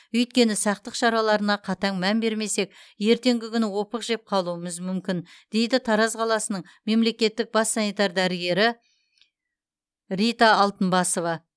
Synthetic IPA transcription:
ɵjt̪̚kʲe̞nɪsɑq̚t̪əqʃɑɾɑlˠɑɾənɑqʰɑt̪ɑŋmænbe̞ɾme̞se̞k̚ʲje̞ɾt̪e̞ŋɡʲɪkʲʏnɪwo̞pəqʒe̞p̚qʰɑlˠuəməzmʏmkʲɪnd̪̥e̞jd̪ɪt̪ʰɑɾɑzqʰɑlˠɑsənəɴ | me̞mle̞kʲe̞t̪ːɪk̚bɑsːɑnijt̪ɑɾd̪æɾəɡʲe̞ɾɪ | ɾijt̪ɑːlˠt̪ənbɑso̞vɑ

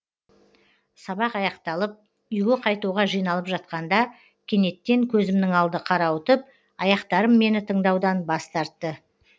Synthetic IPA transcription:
sɑbɑqɑjɑqt̪ɑlˠəp̚ | ʏjɡʲɪqʰɑjt̪uʁɑʒijnɑlˠəpʒɑt̪̚qɑnd̪ɑ | kʲʰe̞ne̞t̪ːe̞ŋkʲʰɵzɪmnɪŋɑlˠd̪əqʰɑɾɑwət̪əp̚ | ɑjɑqt̪ɑɾəmːe̞nɪt̪ʰəɴd̪ɑwd̪ɑnbɑst̪ɑɾt̪ːə

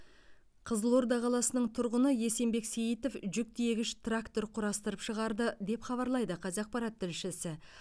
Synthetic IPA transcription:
qʰəzəlˠo̞ɾd̪ɑqʰɑlˠɑsənəɴt̪ʰʊɾʁənəje̞se̞mbe̞ksejit̪o̞fʒʏk̚t̪je̞ɡʲɪʃt̪rakt̪o̞ɾqʰʊɾɑst̪əɾəpʃəʁɑɾd̪əd̪e̞pχɑβɑɾlˠɑjd̪əqʰɑzɑq̚pɑɾat̪ʰːɪlʃɪsɪ

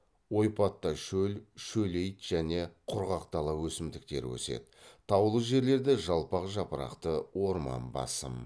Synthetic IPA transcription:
wo̞jpɑt̪ːɑʃɵlʃɵle̞jt̪ʒ̥æne̞qʰʊɾʁɑqt̪ɑlˠɑwɵsɪmd̪ɪk̚t̪e̞̰ɾwɵ̰se̞̰d̪ɪt̪ʰɑwlˠəʒe̞ɾle̞ɾd̪eʒɑlˠpɑqʒɑpəɾɑ̰qt̪əwo̞ɾmɑ̰nbɑ̰sə̰m

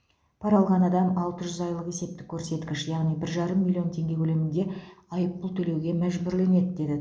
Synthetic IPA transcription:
pʰɑɾɑlˠʁɑnɑd̪ɑmɑlˠt̪əʒʏzɑjlˠəqe̞se̞p̚t̪ɪkʲʰːɵɾse̞t̪kʲɪʃjɑʁnijbɪɾʒɑɾəmːilʲːˠio̞nt̪ʰe̞ŋɡʲe̞kʰʲɵle̞mɪnd̪e̞ɑjəp̚bʊlˠt̪ʰɵle̞wɡʲe̞mæʒbɪɾle̞ne̞d̪d̪e̞d̪ɪ

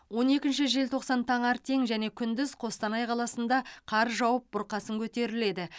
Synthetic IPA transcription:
wo̞ne̞kʲɪnʃɪʒe̞lt̪ʰo̞qsɑnt̪ʰɑɴɑɾt̪ʰe̞ŋʒæne̞kʲʰʏnd̪ɪzqʰo̞st̪ɑnɑjqʰɑlˠɑsənd̪ɑqʰɑɾʒɑwəp̚b̥ʊɾqɑsəŋkʲʰɵt̪e̞ɾɪle̞d̪ɪ

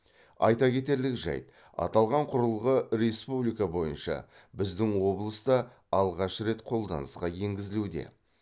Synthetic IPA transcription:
ɑ̰jt̪ɑkʲʰe̞t̪e̞ɾlɪkʒɑ̰jt̪ | ɑ̰t̪ɑlˠʁɑɴqʰʊɾəlˠʁəɾe̞spublijkabo̞jənʃɑ̰bɪzd̪ɪŋwo̞blˠəsd̪ɑː | lˠʁɑʃəɾe̞t̪qʰo̞lˠd̪ɑ̰nəsqɑje̞ŋɡʲɪzɪlud̪e̞̰

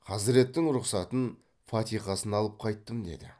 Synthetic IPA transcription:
qʰɑsɪɾe̞t̪ːɪŋɾʊqsɑt̪ən | fɑt̪ijqɑsənɑlˠəp̚qʰɑjt̪ːəmd̪e̞̰d̪ɪ

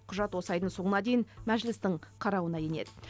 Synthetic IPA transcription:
qʰʊʒɑt̪wo̞sɑjd̪əɴso̞ɴənɑd̪e̞jɪnmæʒlɪst̪ɪɴqʰɑɾɑwənɑje̞ne̞̰d̪ɪ

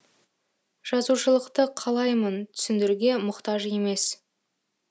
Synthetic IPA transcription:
ʒ̥ɑzuʃəlˠəqt̪əqʰɑlˠɑjmənt̪ʰʏ̥sɪnd̪ɪɾuɡʲe̞mʊqt̪ɑʒe̞me̞s

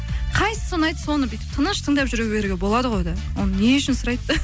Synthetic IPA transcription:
qʰɑjsə̥so̞nɑjt̪əsonəbet̪ɪ̥p̚t̪ʰənəʃt̪ʰəŋd̪ɑpʒʏɾewbeɾɡʲebo̞lˠɑd̪əʁo̞jd̪ɑwʔo̞̰nəne̞ʊʃɪnsʊɾɑjt̪ːə

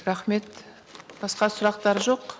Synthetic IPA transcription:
ɾɑχme̞t̪ | b̥ɑsqɑsʊɾɑqt̪ɑɾəʒo̞q

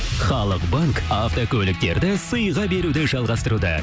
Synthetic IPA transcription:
χɑlˠəqbaŋkaft̪o̞kʲʰɵlɪk̚t̪e̞ɾd̪ɪsəjʁɑbe̞ɾud̪ɪʒɑlˠʁɑst̪əɾud̪ə̰

